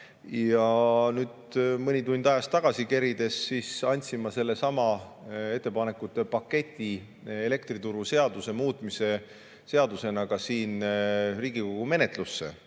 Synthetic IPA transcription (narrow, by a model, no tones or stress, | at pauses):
jɑnyːd̪mɯnʲit̪unʲd̪ɑjɑst̪ːɑɡ̥ɑsikeɾid̪̥e̞sːiːsɑnʲt̪ʲsimːɑse̞lːe̞sɑmɑe̞t̪ːe̞pɑnekːˑut̪ːepɑkːe̞t̪ʲːi | ele̞kt̪rit̪uɾuse̞ɑd̪̥use̞muːt̪ːˑmise̞ | se̞ɑd̪use̞nɑkɑsiːnriːɡiko̞ɡ̥ume̞ne̞t̪ˑlusːe̞̰